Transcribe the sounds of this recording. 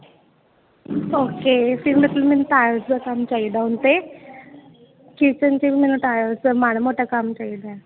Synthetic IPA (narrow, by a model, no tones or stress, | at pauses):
oːkeːpʰɪɾmət̪lmɛːnũːʈ̪aːɾsd̪aːkamt͡ʃaːid̪aːʊnt̪eː | kit͡ʃənt͡ʃiʋimɛːnũʈ̪aːsəmaːɽ̃moːʈaːkəmt͡ʃaːid̪aɛ